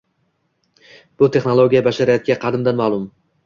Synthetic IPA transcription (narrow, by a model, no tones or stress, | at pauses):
b̥ʊt̪ʰe̞χnolˠoɡʲijabaʃaɾɪjat̪ʰɪɡʲaqʰɑd̪ɪmd̪anmalˠʊm